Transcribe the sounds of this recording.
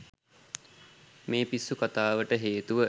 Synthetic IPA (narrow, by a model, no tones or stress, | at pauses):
meːpisːukat̪aːʋəʈəɦeːt̪uʋə